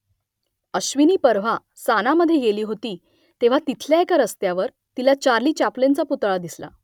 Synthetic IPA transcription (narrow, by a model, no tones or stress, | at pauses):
əɕʋiniːpəɾʋ̤a | sanaməd̪ʱːjeɡeliːɦot̪iː | t̪eʋ̤at̪it̪ʰljaekaɾəst̪jaʋəɾ | t̪ilat͡ɕaɾliːt͡ɕaplent͡saput̪ɭad̪isla̰